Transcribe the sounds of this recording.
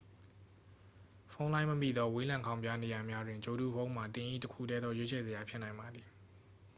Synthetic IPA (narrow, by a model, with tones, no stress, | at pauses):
fʰõ˦ʊ̃lã˦ɪ̃məmḭ˦˨d̪ɔ˦we˦lã˨ŋkʰã˦ʊ̃mbja˦ne˨ja˨mja˦dwɪ̃˨ɲt͡ɕo˨du˦˨fʰõ˦ʊ̃ma˨t̪ɪ̃˨ʔḭ˦˨təkʰṵ˦˨tɛ˦d̪ɔ˦je˦t͡ɕʰɛ˨zə˨ja˨pʰjɪ˦nã˨ɪ̃mba˨d̪ði˨